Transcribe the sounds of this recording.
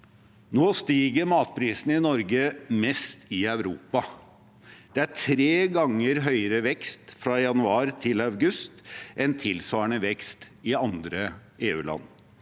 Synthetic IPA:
noːst̪iːɡəɾmɑːt̪̚pʰɾiːsn̩ɪnɔɾɡəmɛst̪ɪɑʉɾuːpɑ | d̪̥ɛæʈʰɾeːɡɑŋːəɾɦœʏəɾəʋɛkst̪fɾɑjɑnʉɑːɾt̪ʰɪlɑʉɡʉst̪ʔɛnt̪ʰɪlsʋɑːɳəʋɛkst̪ɪɑnd̪ɾəeːʉ̰ːlʔɑ̰nː

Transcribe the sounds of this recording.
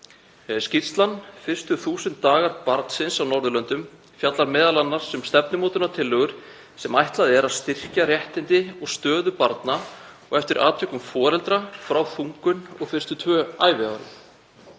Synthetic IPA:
scir̥st̪lanːfɪr̥st̪ʏθuːsɪnt̪ːaːɣaɾpaɾt̪n̥sɪnsawnɔɾðʏlœnt̪ʏm | fjat̪laɾmɛːðalanːaɾ̥sɛmst̪ɛp̚nʏmoːt̪ʏnat̪ʰɪlːœɣʏɾ̥ | sɛmajht̪laðɪɛɾaðst̪ɪr̥carjɛht̪ɪnt̪ɪɔɣst̪œːðʏpaɾt̪naɔɣɛft̪ɪɾʔaːt̪ʰœkʏmfɔːɾɛlt̪ɾafɾawθuŋkʏnɔɣfɪr̥st̪ʏt̪ʰvœːaːjvɪaɾʏ

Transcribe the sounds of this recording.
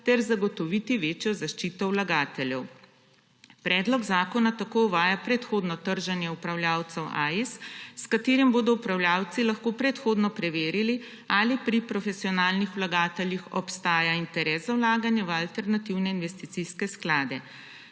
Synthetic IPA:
t̪ɛɾzaɡɔt̪ɔʋiːt̪iʋeːt͡ʃjɔzaʃt͡ʃiːt̪ɔwlaɡaːt̪ɛljɛw | pɾɛːd̪lɔɡzaːkɔnat̪akoːuʋaːjapɾɛt̪xoːd̪nɔt̪əɾʒanjɛupɾawlʲjaːwt̪sɛwʔa̰isskat̪eːɾimboːd̪ɔupɾawljaːwt̪silaxkoːpɾɛt̪xoːd̪nɔpɾɛʋeːɾili | alipɾipɾɔfɛsiɔnaːlnixwlaɡaːt̪ɛljixɔ̰pst̪aːjaint̪ɛɾɛːszawlaːɡanjɛʋəalt̪ɛɾnat̪iwnɛinʋɛst̪it̪siskɛsklaːd̪ɛ

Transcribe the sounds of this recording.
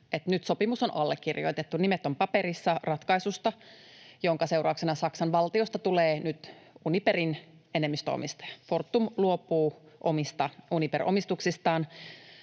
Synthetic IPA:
et̪nyt̪so̞pimusonʔɑlːekːirjo̰it̪et̪ːunimet̪ːompɑpeɾisːɑrɑt̪kɑisust̪ɑ | joŋkɑseurɑuksenɑsɑksɑnʋɑlt̪iost̪ɑt̪uleːnyt̪uniperin | enemːist̪øo̰mist̪ɑ̥jɑ̥fort̪ːumluopːˑuːʔomist̪ɑunipḛrʔomist̪uksist̪ɑːn

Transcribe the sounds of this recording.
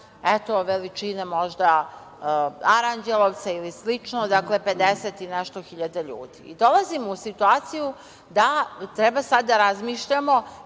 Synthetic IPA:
et̪o̞ʋelit͡ʃinemo̞ʒd̪a | aɾand͡ʒelˠoʋt̪sailislit͡ʃnod̪akle̞pe̞d̪eset̪ineʃt̪oxiʎad̪eʎṵːd̪ḭid̪o̞lazimousit̪uaːt̪siju | d̪at̪ɾɛbasad̪ːaɾazmiːʃʎamo̞

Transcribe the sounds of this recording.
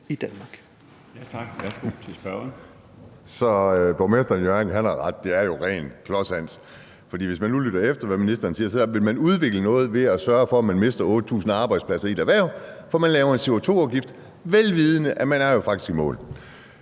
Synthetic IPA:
id̥ænmɑ̈ɡ̥ | jʰɑɡ̥sɡ̥esb̥ | sɒ̽b̥omesd̥ɐnjønhænɑ̈ʁɑ̈d̥̚ːe̝æɐjo̝ʁɛ̰ːnkʰlɒ̽sæn̰s | fɒ̽d̥ḭːʋe̝smænːulyɾ̥ɐefd̥ɐʋæminisd̥ɐːnsiːɐsɒ̽ʋe̝lmænuð̞ˠʋe̝ɡ̥lənɔ̽ːð̞̩ˠʋe̝æsɶɐfɒ̽æmænme̝sd̥ɐɔ̽ːd̥ət͡sʰṵːsn̩ɑ̈ːb̥ɑ̈ɪd̥splæsɐid̥æʋæɐʊfɒmænlɛːʊɐe̝nse̝ot͡sʰo̝̰ːɑʊɡ̥ifd̥ | ʋelʋiːð̞ˠənəʔæmænæɐjo̝fɑ̈ɡ̥̚d̥isɡ̥imɔ̰̽ːl

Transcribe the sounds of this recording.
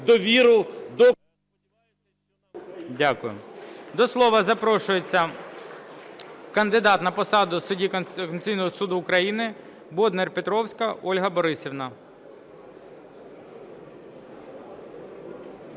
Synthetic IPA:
d̪ɔʋʲiɾʊd̪ɔ | dʲakʊjʊ̰d̪ɔslˠɔʋɐzɐpɾɔʃʊjet͡sʲːɐ | kɐnd̪ɪd̪ɑt̪nɐpɔsɑd̪ʊsʊdʲiknt̪sʲijnɔɦɔsud̪ʊːkɾɐjinɪ | bɔd̪nɛrpet̪ɾɔwsʲkɐɔlʲɦɐbɔɾɪsʲiʋnɐ

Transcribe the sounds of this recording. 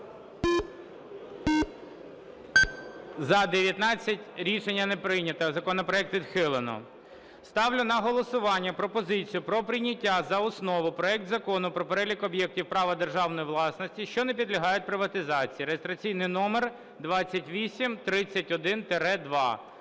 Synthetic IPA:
zɐd̪eʋʲjɐt̪nɑt͡sʲːɐtʲɾʲiʃenʲːɐnepɾɪjnʲɐt̪ɐzɐkɔnɔpɾɔɛk̚t̪ʋʲid̪xɪlˠenɔ̰ | st̪ɑwlʲʊnɐɦɔlˠɔsʊʋɑnʲːɐpɾɔpɔzɪt͡sʲijʊpɾɔpɾʲɪnʲɐtʲːazɐɔsnɔʋʊpɾɔɛk̚t̪zɐkɔnʊpɾɔpeɾɛlʲikɔbjɛk̚tʲiwpɾɑʋɐd̪erʒɑwnɔjiʋlˠɑsnɔsʲtʲiʃt͡ʃɔnɛp̬ʲid̪lʲɐɦɑjʊt̚ʲpɾɪʋɐt̪ɪzɑt͡sʲijiɾeist̪ɾɐt͡sʲijnɪjnɔmer | d̪ʋɑt͡sʲːɐtʲʋʲisʲimt̪ɾɪt͡sʲːɐtʲɔd̪ɪnt̪eɾɛd̪ʋɑ̰

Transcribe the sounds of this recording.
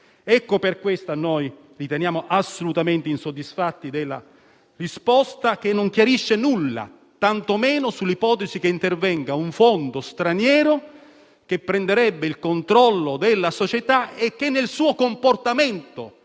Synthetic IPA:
ɛkːoperkwest̪anoj | rit̪enjaːmoʔasːolut̪ament̪einsod̪ːisfat̪ːid̪elːa̰ | rispɔst̪ak̟enːoŋkjaɾiʃːenulːa̰ | t̪ant̪omɛːnosulːipɔːt̪ezik̟eint̪ervɛŋɡauɱfond̪ost̪ɾanjɛːɾo | k̟epːɾend̪eɾɛbːeilkont̪ɾɔlːod̪elːasot͡ʃet̪aek̟ːenːelsuːokomport̪ament̪o

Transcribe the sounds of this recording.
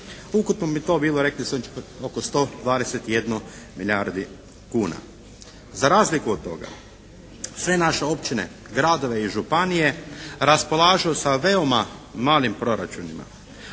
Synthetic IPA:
ukut̪nobit̪o̞ːbiːloɾe̞klisot͡ʃokost̪o̞ːd̪ʋaːd̪eset̪ije̞d̪nomiʎjaɾd̪i | kuːna̰ | zaɾaːzlikuot̪̚t̪ːo̞̰ɡa̰ | sʋe̞naʃe̞o̞pt͡ʃine̞̰ | ɡɾad̪o̞ʋe̞iʒupanije̞ɾaspo̞laːʒuusaʋe̞omamaːʎimpɾo̞ɾat͡ʃunima̰

